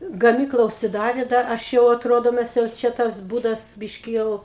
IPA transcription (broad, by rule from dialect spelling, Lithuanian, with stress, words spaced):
ɡɐˈmʲiːklˠɐ ʊʃʲsʲɪˈdɑːrʲeː ˈdɐr ˈɐʃ jɛʊ ɐˈtroːdoː ˈmʲɛs jɛʊ ˈt͡ʃʲɛ ˈtɐs ˈbuːdɐs ˈbʲɪʃʲkʲɪ ˈjɛʊ